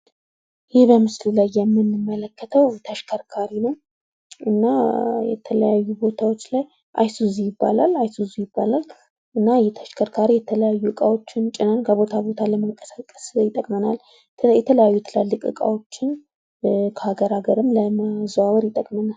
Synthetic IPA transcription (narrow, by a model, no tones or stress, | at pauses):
jɪhbəmɨsllajːɛmːɨnːɨmːələkʰːət̪ʰəwt̪ʰəʃkʰəɾkʰaɾinəw | ʔɨnːajɛ̰t̪ʰələjajːubo̞t̪ʰawo̞t͡ʃːlaj | ʔa̰jsuzijɪbːa̰lalajsuzijɪbːalal | ʔɨnːajɛt̪ʰə̥ʃkʰəɾkʰaɾijɛt̪ʰələjajːuɨkʼawo̞t͡ʃːɪnt͡ʃʼɪnankʰəβo̞t̪ʰaβo̞t̪ʰaləməŋkʼə̥sakʼːə̥sjɪt̪ʼəkʼmənal | jɛt̪ʰələjajːujɛt̪ʰələalːɨkʼɨ̰kʼa̰wo̞t͡ʃːɪn | kʰəhaɡəɾaɡəɾɨmləmazawəɾjɪt̪ʼəkʼmənal